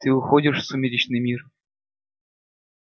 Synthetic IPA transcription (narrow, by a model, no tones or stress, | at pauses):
t̪ɨʊxodʲɪʂsʊmʲɪlʲit͡ɕnɨjmʲir